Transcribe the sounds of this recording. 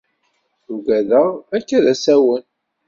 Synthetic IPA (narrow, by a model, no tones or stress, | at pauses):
uɡæðəʁækːæðæsæwən